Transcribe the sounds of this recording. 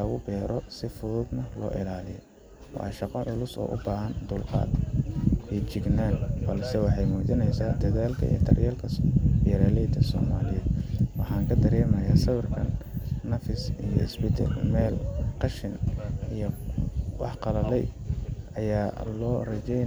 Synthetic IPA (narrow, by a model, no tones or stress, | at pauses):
ɐɣʊbɛːɾʔɔsɪfʊðʊːd̪nɐlɔ̰ːʔɪlaːlɪjɔ̰ | wɑ̰ʃɑqɔʔʊlʊsɔ̰ːʔʊbaːɦɐnd̪ʊlqɑ̰ːd̪kʰit͡ʃɪɡnaːnbɐlsɛwɑħɑjmɔːt͡ʃɪnɛjsaːd̪ɐðaːlkʰɐ̰ʔḭjt̪ʰɐ̰rjɛːlkʰɐbɪɾɛːlɛːd̪ɐsɔ̰ːmaːlɪjɛd̪wɑħɑːŋkʰɐd̪ɐɾɛːmɐjaːsɐβɐrkʰɐnːɐfɪsijɔ̰ɪ̰sbɪt̪ʰɐ̰lmɛːlqɑʃɪnijɔwɑ̰ħqɑlɐlɛjɐjaːlɔːrɐt͡ʃɛ